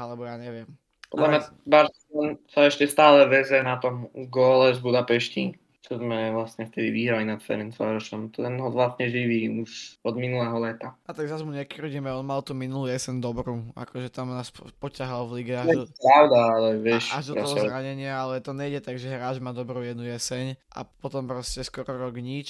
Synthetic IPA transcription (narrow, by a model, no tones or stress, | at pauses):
alɛbɔjaːɲɛʋɪɛm | pɔ̰d̪lamɲa | baɾsɛlɔnsaɛʃcɛst̪aːlɛʋɛzjɛnat̪ɔmɡɔːlɛzbud̪apɛʃci | t͡ʃɔzmɛʋlasɲɛft̪ɛd̪iʋiːɦɾalinat̪fɛ̰ɾinsa̰ɾɔʃɔmt̪ɛnɦɔlasɲɛʒiʋiːuʃɔd̪minulɛɦɔlɛt̪aat̪aɡzazmuɲɛkɾuɟimɛɔnmalt̪uːminulujɛsɛɲd̪ɔbɾuːa̰kɔʒɛt̪amnaːspɔcaɦalvliɡɛaɛɔpɾaʊd̪aalɛʋɛʃaʒd̪ɔaɔɔzɾaɲɛɲɪaalɛt̪ɔɲɛiɟɛt̪aɡʒɛɦɾaːd͡ʒmaːd̪ɔbɾujɛd̪nujɛsɛɲʔa̰pɔt̪ɔmpɾɔscɛskɔɾɔɾɔɡɲit͡ʃ